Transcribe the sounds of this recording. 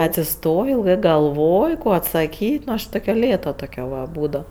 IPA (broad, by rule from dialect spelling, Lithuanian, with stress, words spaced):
ɐtʲsʲɪˈstoːjoː ɪlˠˈɡɜ ɡɐlˠˈʋoːj ˈkoː ɐtsɐˈkʲiːtʲ ˈnʊ ɐʃ ˈtoːkʲɛ ˈlʲeːtɐ ˈtoːkʲɛ ʋɐ ˈbuːdɐʊ